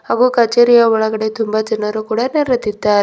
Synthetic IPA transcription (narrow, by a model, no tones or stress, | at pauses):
ɐɣukɐt͡ʃːeɾɪjaːʋɐɭɐɣɐɽɐɪt̪ʊmbat͡ʃɛnːɐɾɯkuːɽɐnɛɾɐt̪ːɪt̪ːaːɾ